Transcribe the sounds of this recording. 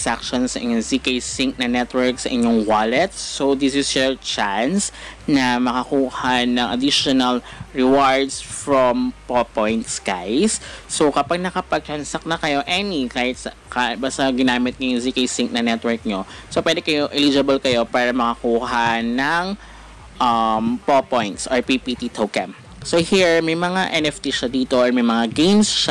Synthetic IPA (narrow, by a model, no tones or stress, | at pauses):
sak̚ʃonsɐʔɪ̰ɲoŋzikɐjsɪŋk̚nɐnɛt̪wɛɹksɐʔɪɲoŋwalɛt̪̚sod̪isɪsjɔɹt͡ʃansnɐmɐkɐkuːhanɐŋʔɐd̪iʃonɐlɹɛwaɹd̪sfɹompopojnt̪skajsːokɐpaɡ̚nɐkɐpɐɡ̚t͡ʃɐnsɐk̚nɐkɐjo̞ʔɛnikaːhɪt̪̚sɐ | kabast̪ɐɡɪnaːmɪt̪̚ɲʊŋzikejsɪŋnɐnɛt̪wɛɹk̚ɲosopwɛːd̪ɛkɐjoʔɛlid͡ʒɐbɐlkɐjo̞paːɾɐmɐkɐkuːhanɐŋ | ʔɐmpopojnt̪sʔɔɹpipit̪it̪ʰowkɛ̰m | sohiɹmɐjmɐŋaʔɛnɛft̪iʃad̪iːt̪oʔɔɹmɐjmɐŋaɡejnsʃa